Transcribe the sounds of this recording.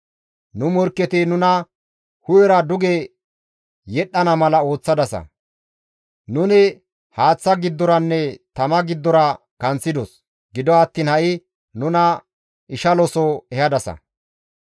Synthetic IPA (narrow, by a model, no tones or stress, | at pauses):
nʊmɔɾkːɛt̪ɪnʊnɐ | hʊjɛɾɐd̪ʊɡɛ | jɛɗːɐnɐmɐlɐo̞ːt͡sːɐd̪ɐsɐ̰ | nʊnɪ | haːt͡sːɐɡɪd̪ːɔɾɐnːɛt̪ɐmɐɡɪd̪ːɔɾɐ | kɐnt͡sːɪd̪ɔs | ɡɪd̪ɔɐt̪ːiːnhɐʔɪ | nʊnɐ | ʔɪʃɐlɔsɔɛhɐd̪ɐsɐ̰